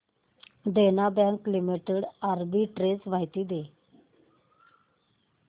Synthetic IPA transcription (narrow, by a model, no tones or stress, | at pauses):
d̪enabɛ̃ŋklimiʈeɽaɾbiʈɾesʋaɦjt̪iːd̪e